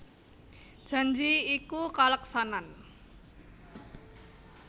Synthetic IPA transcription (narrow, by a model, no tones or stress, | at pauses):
d̥ʒ̥a̤ɲd͡ʒiikukaləksanan